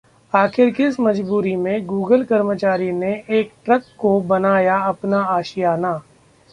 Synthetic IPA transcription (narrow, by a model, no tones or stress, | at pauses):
aːxʰɪɾkɪɪsmɐd͡ʒbuːɾimẽɡuːɡəlkɐɾmət͡ʃaːɾineʔeːk̚ʈɾɐkːobɐnaːjaɐpnaaːʃijanaː